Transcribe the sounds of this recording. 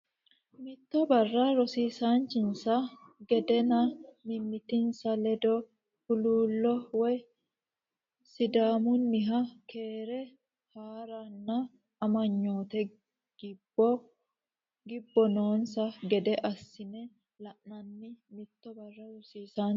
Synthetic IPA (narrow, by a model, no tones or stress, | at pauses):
mɪt̪ːɔbɐrːɐɾɔsiːsaːnt͡ʃɪnsɐɡɛd̪ɛnɐmɪmːɪt̪ɪnsɐlɛd̪ɔ | hʊluːlːɔwɛ | sɪd̪aːmʊnːɪɦɐkʰeːɾɛ | haːɾɐnːɐ | ɐmɐɲːo̞ːt̪ɛ | ɡ̥ɪbːɔ | ɡɪbːɔnoːnsɐɡɛd̪ɛʔɐsːɪnɛ | lɐʔnɐnːɪmɪt̪ːɔbɐrːɐɾɔsiːsaː